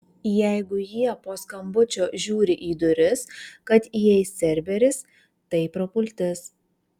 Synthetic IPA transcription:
jæɪɡʊjiɛpoːskɐmbʊt͡ʃʲoːʒʲuːɾʲɪʔiːd̪ʊɾʲɪskɐt̪jɛɪsʲɛɾʲbʲɛɾʲɪs | t̪ɐɪpɾɔpʊlʲt̪ʲɪs

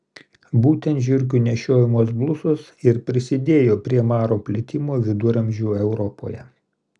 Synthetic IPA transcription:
buːt̪ʲɛnt̪ʒʲʊɾʲk̬ʲunʲɛʃʲoːjɪmuɔs̬blˠʊsʊsɪɾpʲɾʲɪsʲɪd̪ʲeːjoːpʲɾʲiɛmɑːɾoːpʲlʲɪt̪ʲɪmoːʋʲɪd̪ʊɾɐmʲʒʲuːɛʊɾɔpo̰ːjɛ̰

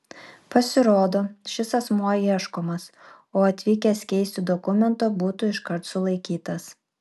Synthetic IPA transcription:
pɐsʲɪɾoːd̪oːʃʲɪsɐsmuɔiɛʃkoːmɐs | oːɐt̪ʲʋʲiːkʲɛskʲɛɪsʲt̪ʲɪd̪ɔkʊmʲɛnt̪oːbuːt̪ʊɪʃkɐɾt̪sʊlˠɐɪkʲiːt̪ɐs

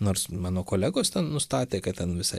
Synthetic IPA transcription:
noːɾsmɑːnoːkoːlʲæːɡoːst̪ʲɛnnʊst̪ɑːt̪ʲeːkɐtt̪ʲɛnʋʲɪsɐɪ

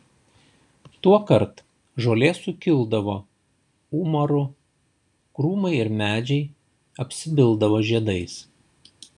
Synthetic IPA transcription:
t̪uɔkɐɾt̪ | ʒoːlʲeːsʊkʲɪlˠd̪ɐʋoː | uːmɔɾʊ | kɾuːmɐɪɪɾmʲæːd͡ʒʲɛɪ | ɐpʲsʲɪbʲɪlˠˑd̪ɐʋoːʒʲiɛd̪ɐɪs

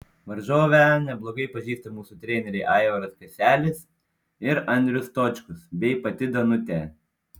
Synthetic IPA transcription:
ʋɐɾʒoːʋʲɛnʲɛblˠoːɡɐɪpɐʒʲiːst̪ɐmuːsut̪ʲɾʲɛːnʲɛɾʲɛɪʔɑˑɪʋɐɾɐskɐsʲæːlʲɪs | ɪɾɐnʲd̪ʲɾʲʊst̪oːt͡ʃʲkʊsbʲɛɪpɐt̪ʲɪd̪ɐnʊt̪ʲɛː

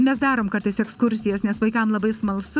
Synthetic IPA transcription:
mʲɛsd̪ɑːɾoːmkɐɾt̪ɐɪsɛkskʊɾʲsʲɪjoːsnʲɛsʋɐɪkɐmlˠɐbɐɪsmɐlˠsʊ

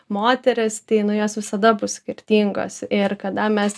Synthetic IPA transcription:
moːt̪ʲɛɾʲɪst̪ɐɪnʊjoːsʋʲɪsɐd̪ɐbʊssʲkʲɪɾʲt̪ʲiːŋɡo̰ːsɪɾkɐd̪ɐmʲɛs

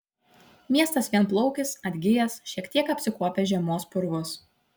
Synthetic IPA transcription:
mʲiɛst̪ɐsʋʲiɛnˑplˠɔʊkʲɪsɐd̪ʲɡʲɪjɛsʃʲiɛkt̪ʲiɛkɐpʲsʲɪkuɔpʲeʒʲɛmoːspʊɾʋʊs

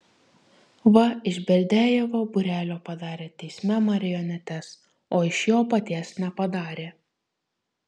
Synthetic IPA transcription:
ʋɐɪʒʲbʲɛlʲd̪ʲæːjɛʋoːbʊɾʲæːlʲoːpɐd̪ɑːɾʲeːt̪ʲɛɪsʲmʲɛmɐɾʲɪjɔnʲɛt̪ʲɛs | oːɪʃjoːpɐt̪ʲiɛsnʲɛpɐd̪ɑːɾʲeː

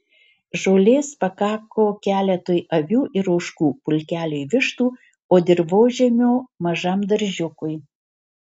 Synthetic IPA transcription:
ʒoːlʲeːspɐkɑːkoːkʲæːlʲɛt̪oːjʔɐʋʲuːʔɪɾɐʊʃkuːpʊlʲkʲæːlʲoːjʋʲɪʃt̪uː | oːd̪ʲɪɾboːʒʲɛmʲoːmɐʒɐmd̪ɐɾʲʒʲʊkʊj

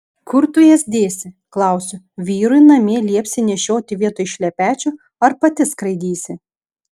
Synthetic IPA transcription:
kʊɾt̪ʊjɛsd̪ʲeːsʲɪ | klˠɐˑʊsʲʊ | ʋʲiːɾʊɪnɐmʲeːlʲiɛpʲsʲɪnʲɛʃʲoːt̪ʲɪʋʲiɛt̪oːjʃʲlʲɛpʲæːt͡ʃʲʊ | ɐɾpɐt̪ʲɪskɾɐɪd̪ʲiːsʲɪ

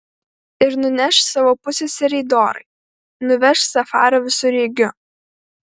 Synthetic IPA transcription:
ɪɾnʊnʲɛʃsɑːʋoːpʊsʲesʲɪɾʲɛɪd̪oːɾɐ̰ɪ | nʊʋʲɛʃsɐfɑːɾoːʋʲɪsʊɾʲiːɡʲʊ

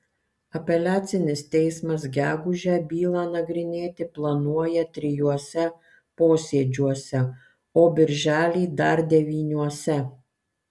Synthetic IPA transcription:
ɐpʲɛlʲæːt̪sʲɪnʲɪst̪ʲɛɪsmɐsɡʲæːɡʊʒʲæːbʲiːlˠɑːnɐɡɾʲɪnʲeːt̪ʲɪplˠɐnuɔjɛt̪ʲɾʲɪjuɔsʲɛ | poːsʲiɛd͡ʒʲuɔsʲɛ | oːbʲɪɾʲʒʲæːlʲiːd̪ɐɾd̪ʲɛʋʲiːnʲuɔsʲɛ

